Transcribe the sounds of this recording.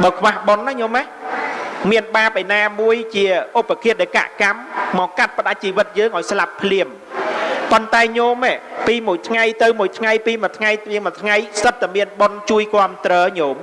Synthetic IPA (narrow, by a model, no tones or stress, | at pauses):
ɓɑːkʰʋahɓonːahɲoːmah | miənɓaːp̚ʔejnaːmuəjt͡ɕiəʔopːakʰiəɗeka̰ʔkamːɑːkat̪̚pə̆ɗac̚t͡ɕiːʋɨt̪̚jəːŋʔaɔjslapʰːliəm | pont̪aɛɲoːmeːpiːmuəjt̪ʰŋajt̪ɨwmuəjt̪ʰŋajpiːmɔ̆ət̪ʰŋajiəmɔət̪ʰŋajsət̪ːamiənɓont͡ɕuəjkŏəmt̪rɔːɲoːm